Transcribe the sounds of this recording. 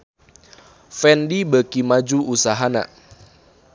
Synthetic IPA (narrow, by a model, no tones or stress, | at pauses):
fɛndibəkimad͡ʒuusaɦana̰